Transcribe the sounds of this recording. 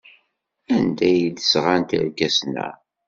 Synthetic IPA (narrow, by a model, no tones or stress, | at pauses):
ænd̪æjd̪əsʁant̪ə̰ɾkæsnæ̰